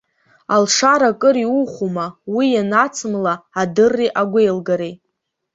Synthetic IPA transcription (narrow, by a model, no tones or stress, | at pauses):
alʂaɾakʼɨɾiuχumawijanat͡sʰɨmlaːdɨrːiʔaɡʷejlɡaɾej